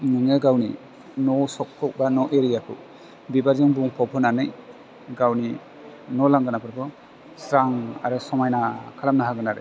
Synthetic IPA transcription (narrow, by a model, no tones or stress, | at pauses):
nɯŋɯɡawni | nɔsɔk̚tʰɔk̚banɔʔeɾijakʰɯ̰ | bibazɯŋbuŋpʰɔwpʰɯnanɯj | ɡawni | nɔlaŋɡɯnapʰɯɾpʰɔ | sɾaŋa̰ɾɯsɔmajnakʰaɾamnaɦaɡɯnaɾɯ̰